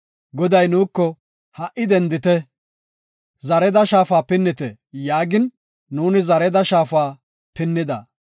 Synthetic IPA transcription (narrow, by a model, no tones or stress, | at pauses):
ɡɔd̪ɐjnuːkːɔ | hɐʔɪd̪ɛnd̪ɪt̪ɛ | zɐɾɛd̪ɐʃaːfaːpɪnːɪt̪ɛ | jaːɡɪnː | uːnɪzɐɾɛd̪ɐʃaːfaː | pɪnːɪd̪ɐ̰